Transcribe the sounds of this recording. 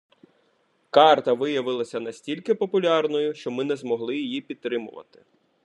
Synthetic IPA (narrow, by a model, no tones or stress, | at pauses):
kɑrt̪ɐʋɪjɐʋɪlˠɐsʲɐnɐsʲtʲilʲkɪpɔpʊlʲɑrnɔjʊʃt͡ʃɔmɪnɛzmɔɦlˠɪjijipʲid̪̚t̪ːɾɪmʊ̰ʋɐ̰t̪ɪ̥